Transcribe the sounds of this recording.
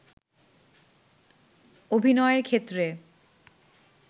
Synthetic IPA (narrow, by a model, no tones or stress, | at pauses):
obʱinɔeeɾkʰet̪ːɾe